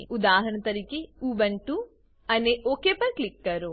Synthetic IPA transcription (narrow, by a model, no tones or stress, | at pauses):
ʔud̪aːɦɐɾɳɐt̪ɐɾikiuʋɐɳʈu | ɐneʔoːkeːpɐɾklikːɐɾu